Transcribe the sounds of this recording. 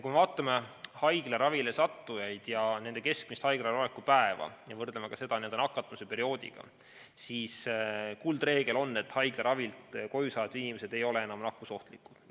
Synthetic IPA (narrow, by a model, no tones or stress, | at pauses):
kujmevɑːt̪ːˑɑme̞hɑjɡ̥leɾɑvile̞sɑt̪ːujɑjd̪̥jɑne̞nd̪e̞ke̞sk̚mist̪hɑjɡ̥ɾerɑlekːupæevɑ̰jɑvɤrd̪lemekɑse̞d̪ɑnend̪enɑkːˑɑt̪ːˑmsepe̞ɾio̞ːd̪ḭɡ̥ɑ̰ | siːskuld̪re̞ːɡe̞lo̞nːe̞t̪ːhɑjɡ̥leɾɑvilt̪ko̞jusɑːet̪ːinime̞se̞d̪̥e̞jo̞le̞e̞nɑmnɑkːuso̞ht̪likːˑut̪